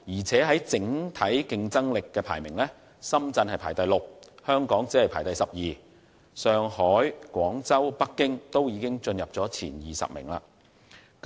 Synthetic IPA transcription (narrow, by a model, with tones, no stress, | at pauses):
jiː˨˩t͡sʰɛː˨˥ɦɐ˨˥jt͡sɪ˨˥ŋt̪ʰɐ˨˥jkɪ˧ŋt͡sɐ˥ŋlɪ˨kːɛː˧pʰa̰ː˨˩jmɪ˨˩ŋlɛː˥ | sɐ˥mt͡sɐ˧nhɐ˨jpʰaː˨˩jt̪ɐ˨jlo˨k̚hœː˥ŋkɔː˨˥ŋt͡siː˨˥hɐ˨jpʰaː˨˩jt̪ɐ˨jsɐ˨p̚jiː˨ | sœː˨˧ŋhɔː˨˥jkʷɔː˨˥ŋt͡sɐ˥wpɐ˥kːɪ˥ŋt̪o˥wjiː˨˧kɪ˥ŋt͡ʃɵ˧njɐ˨p̚t͡sɔː˨˥t͡sʰḭː˨˩njiː˨˩sɐ̰˨p̚mɪ̰˨˩ŋla̰ː˧